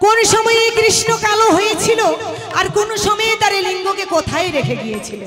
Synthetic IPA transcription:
konoʃɔmɔjekɾiʃnokaloɦojet͡ɕʰilo | aɾkonoʃɔmɔjet̪aɾeliŋɡʱokekot̪ʰaeɾekʰeɡijet͡ɕʰilo

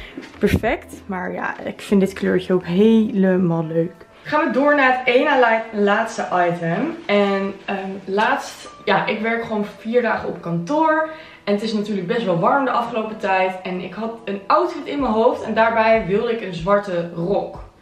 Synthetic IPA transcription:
pɛɹfɛktmaːɹja̰ɪ̰kfɪndɪtklø̰ːɹçəowkɦejləmaːlˠløɥk | χaːnʋədʊːɹnaːətejnalɛjtəlaːtstəʔɑjtəmɛnəlaːtstjaːʔɪkʋɛɹkχəʋownfiːɹdaːχəɔpkɑntʊːɹ | ɛnətɪsnatyːɹləɡ̚bɛstʋɛlˠʋɑɹmdəʔɑfχəlowpətɛjtɛnɪ̰kɦɑtənɔwtfitɪnməɦowftɛndaːɹbɛjʋɪlˠdəɪkənzʋɑɹtərɔk

